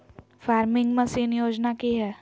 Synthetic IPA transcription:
faːɾmɪ̃ŋɡmɐsiːnjoːd͡ʒnakiɦɛː

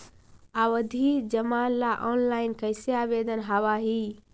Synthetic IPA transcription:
aːʋəd̪ʱiːd͡ʒɐmaːnlaːʔɔːnlaːɪnkɐɪsjaːʋeːd̪ənɦɐʋaɦiː

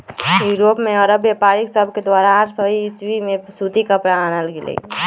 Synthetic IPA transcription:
juːɾoːpmẽɔɾəbjepaːɾɪksəbʱked̪waːɾaɾsəɦiːswimẽsuːt̪ikəpɽaanəlɡelḛ

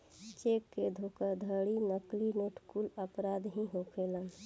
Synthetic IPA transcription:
t͡ʃekːed̪ʱokəd̪ʱəɽinəklineʈʰkuləpɾad̪ɦĩɦopʰelən

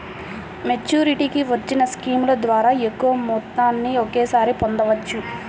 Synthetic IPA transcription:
me̞t͡ʃːuːɾiʈikiʋɐt͡ʃːinɐskiːmlɐd̪ʋaːɾaːekːuʋɐmuːt̪ːaːnːiokeːsaːɾipond̪ɐʋɐt͡ʃːu

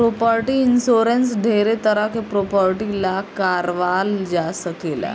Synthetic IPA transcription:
pɾopaɾʈiːnsoɾensɖʱeɾet̪əɾakepɾopaɾʈilakaɾʋald͡ʑasəkela̰

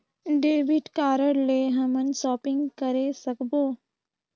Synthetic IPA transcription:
ɖeːbɪʈkaːɾəɽleːɦɐmənsɔːpɪ̃ŋɡkəɾesəkboː

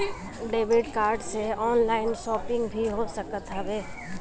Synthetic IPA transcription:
ɖeːʋɪɖkaːɾɖseɔːnlaːɪnʃɔːpɪ̃ŋɡbʱiɦosəkət̪ɦəʋeː

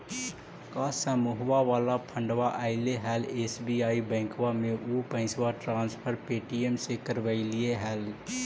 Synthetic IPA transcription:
kasəmuɦwaʋaːlapʰə̃ɳɖʋaʔaɪleɦɛːleːsbiaːibɛ̃ːŋkwamẽʔupə̃ɪ̃swaʈɾãːnspʰəɾpeːʈiemsekəɾʋəilieɦɛːl

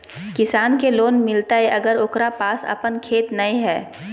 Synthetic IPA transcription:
kɪsaːnkeloːnmɪlt̪aɦɛʔɐɡəɾʊkɾapaːsɐ̰pənkʰeːt̪nɐĩɦɛː

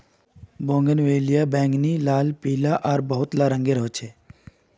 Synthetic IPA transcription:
bõːŋɡənʋeːlijabɛ̃ːŋɡniːlaːlpiːlaʔaːɾbəɦʊt̪laɾə̃ŋɡeɾəɦot͡ʃʰeː

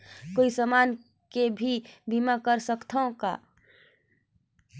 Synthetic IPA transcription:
koisəmaːn | kebʱibʱimakəɾsəkt̪ʰaõka̰

